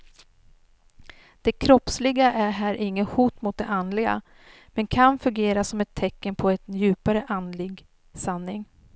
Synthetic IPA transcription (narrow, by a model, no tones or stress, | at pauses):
d̪̥ɛkʰɾɔpslɪɡaʔæɾɦæːɾʔɪŋːəhuːt̪mʊt̪̚d̪ɛʔand̪lɪɡa̰ | mɛnkʰanfɵŋɡeːɾasɔmɛt̪ʰːɛkːənpʰɔɛt̪jʉ̟ːpaɾəʔand̪lɪɡ | sanːɪŋ